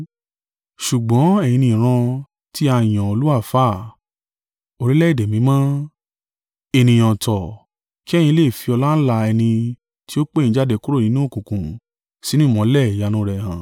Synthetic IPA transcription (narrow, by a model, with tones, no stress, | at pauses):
ʃu˨ɡ͡bɔ̃˨˦ɛ˦˨j̃ĩ˧nĩ˧˨ɾ̃ã˧ | ti˦a˧˨j̃ã˨o˧lu˦a˦˨fa˦˨ | o˧ɾi˦lɛ˦i˦˨de˨mĩ˨˦mã˦ | e˧˨nĩ˧˨j̃ɔ̃˨tɔ˨ | ki˦ɛ˦˨j̃ĩ˧le˦˨fi˧ɔ˧la˦n̩˦la˧ɛ˧nĩ˧ | ti˦o˦k͡pe˦˨ĩ˧˦d͡ʒa˦de˧ku˦ɾo˦˨nĩ˨˦nũ˦o˦˨kũ˨kũ˨ | si˨˦nĩ˦mɔ̃˨˦lɛ˦˨ja˧nũ˧˦ɾɛ˨hã˨